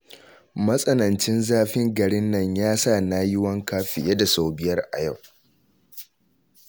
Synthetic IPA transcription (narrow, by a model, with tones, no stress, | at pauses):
mɐ˦sʼɐ˦nɐ˨nt͡ʃɪ˦nzaː˦ɸɪ˦ŋɡɐ˨ɽɪ˦nːɐ˦˨ɲjaː˦sa˦˨naː˦jɪ˦wɐ˦ŋkaː˦ɸɪ˨je˦da˨saː˦bɪ˦jɐ˦rʔa̰˨ja˦˨w